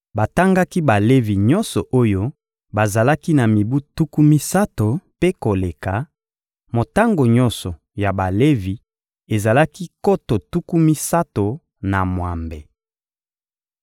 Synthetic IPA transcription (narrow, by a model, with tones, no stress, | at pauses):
ba˨ta˦ŋɡa˦ki˦ba˨le˦vi˨ɲɔ˦nsɔ˨ʔo˦jo˦ | ba˨za˨la˦ki˦na˨mi˨bu˦tu˦ku˦mi˦sa˦to˨pe˦ko˨le˨ka˨ | mo˨ta˦ŋɡo˨ɲɔ̃˦nsɔ˨ | ja˨ba˨le˦vi˨ | e˨za˨la˦ki˦ko˦to˨tu˦ku˦mi˦sa˦to˨ | na˨mwa˨mbe˨